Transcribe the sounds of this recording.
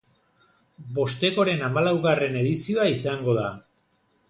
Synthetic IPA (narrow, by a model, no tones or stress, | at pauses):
bo̞st̪e̞ko̞ɾe̞namalawɣare̞ne̞ðisio̞aisaŋɡo̞ða